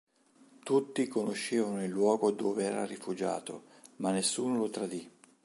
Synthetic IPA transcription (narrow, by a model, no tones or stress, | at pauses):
t̪ut̪ːikonoʃːeːvanoilːwɔːɡod̪oːveɛːɾa̰rifud͡ʒa̰ːt̪o̰ | manːesːuːnolot̪ɾad̪i